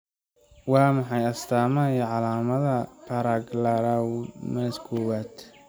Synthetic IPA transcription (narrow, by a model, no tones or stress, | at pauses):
wɑːmɑħɑjɐst̪ʰaːmɐɐjiʕɑlaːmɐðɐpʰɐɾaɡlaɾawmɐskʰɔːwaːd̪